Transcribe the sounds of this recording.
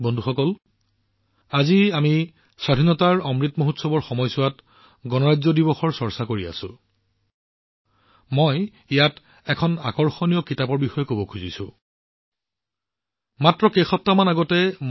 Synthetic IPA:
bɔndʱuxɔkɔl | aziami | sadʱinɔtaɹɔmɹitmoɦutsɔbɔɹxɔmɔjsʊwat | ɡɔnɔɹazɔdibɔxɔɹsɔɹsakoɹia̰sʊ̰̃ | moj | ijat | ɛkʰɔna̰kɔɹxɔnijɔkitapɔɹbixɔjɔkobɔkʰuzḭsʊ̰̃ | matɹɔkejxɔp̚tamanaɡɔtɛm

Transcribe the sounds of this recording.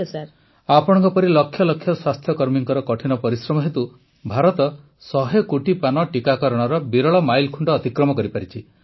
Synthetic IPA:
saɾ | apɔɽ̃ɔ̃ŋkɔpɔɾilɔkʰːjɔlɔkʰːjɔswast̪ʰjɔkɔɾmiŋkɔɾɔkɔʈʰinɔpɔɾisɾɔmɔɦet̪u | bʱaɾɔt̪ɔ | sɔɦekuʈipanɔʈikakɔɾɔɽ̃ɔɾɔbiɾɔɭɔmajlkʰuɳɖɔːt̪ikɾɔmɔkɔɾipaɾit͡ʃʰi

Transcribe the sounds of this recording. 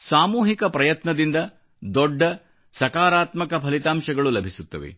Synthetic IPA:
saːmuːɦikɐpɾɐjɐt̪nɐd̪ind̪ɐ | d̪ɔɖːɐ | sɐkaːɾaːt̪mɐkɐpʰɐlit̪aːmʃɐɡɐɭulɐbʱisut̪ːɐʋḛ

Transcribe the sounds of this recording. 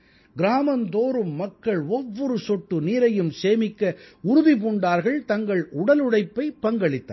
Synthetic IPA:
ɡɪɾaːmɐnd̪oːɾɯmːɐkːɐɭɔʋːɔɾɯsɔʈːɯniːɾɐjɯmseːmɪkːɐʊɾʊðipuːɳɖaːɾɣɐɭt̪ɐŋɡɐɭʊɽɐlɯɽɐɪpːɐɪpːɐŋɡɐɭɪt̪ːa̰

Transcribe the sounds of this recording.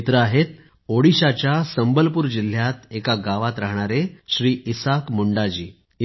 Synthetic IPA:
t̪ɾəaɦet̪̚ | oɽiɕat͡ɕjasəmbəlpuːɾd͡ʑil̤ːjat̪ekaɡaʋat̪ɾaɦɳ̃aɾeɕɾiːʔisakmuɳɖad͡ʑiː

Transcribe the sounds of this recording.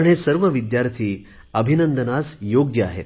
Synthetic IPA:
ɳ̃esəɾʋəʋid̪jaɾt̪ʰiː | əbʱinənd̪ənasjoɡjəa̰ɦḛt̪

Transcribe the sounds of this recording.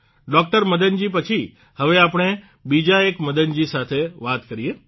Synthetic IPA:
ɖɔk̚ʈəɾməd̪ənd͡ʒipət͡ʃʰi | həʋeapɳ̃e | bid͡ʒaekməd̪ənd͡ʒisat̪ʰeʋat̪kəɾije

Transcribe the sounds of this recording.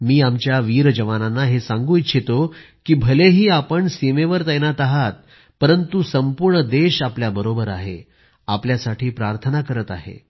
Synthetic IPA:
miːamt͡ɕjaʋiɾd͡ʑəʋananːaɦesãŋɡuːit̪ɕʰet̪o | kiːbʱəleɦiːapəɳsimeʋəɾt̪əjnat̪aɦat̪̚ | pəɾənt̪usəmpuɾɳəd̪eɕapljabəɾobəɾa̰ɦḛ | apljasaʈʰiːpɾaɾt̪ʰənakəɾət̪a̰ɦḛ

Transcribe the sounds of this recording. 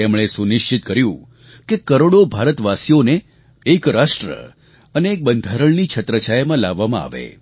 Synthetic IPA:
emɭ̃esunɪʃt͡ʃɪt̪̚kəɾjũ | kekəɾoɽobʱaɾət̪ʋasijoneː | kɾasʈɾə̰ | əneːk̚bənd̪ʱaɾəɭnit͡ʃʰət̪ɾət͡ʃajmãlaʋːamãa̰ʋḛ

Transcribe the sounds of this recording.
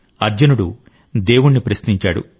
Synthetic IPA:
ɐɾd͡ʒɐnuɽu | d̪eːwuɳːipɾɐsniɲt͡ʃaːɽṵ

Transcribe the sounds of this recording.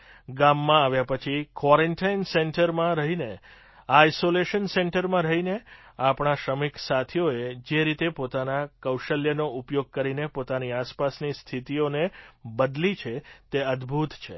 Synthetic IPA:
ɡamːãaʋjapət͡ʃʰikʋɔɾɛɳʈainseɳʈəɾmãɾəɦine | aːjsoleʃənseɳʈəɾmãɾəɦineapɳ̃aʃɾəmiksat̪ʰijoed͡ʒeɾit̪epot̪anakəwʃəljənoupjoɡ̚kəɾinepot̪aniaspasnist̪ʰit̪ionebəd̪lit͡ʃʰet̪eəd̪bʱut̪t͡ʃʰe

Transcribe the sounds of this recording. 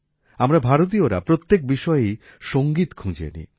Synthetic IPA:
amɾabʱaɾot̪̬ioɾa̰pɾot̪ːek̚biʃɔeej | ʃoŋɡit̪kʰũd͡ʑḛnḭ

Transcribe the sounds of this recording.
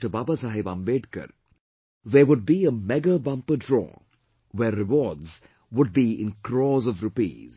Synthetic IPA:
ʈəbaːbasaɦibãmbeːɖkə̰ɾ | ðeʋʊɖ̚biəmɛɡəbʌ̃mpəɖɾɔ̰ː | wɛɾːɪʋɔːdz | ʋʊɖ̚biɪ̰̃nkɾɔːzɔʋɾupḭːz̥

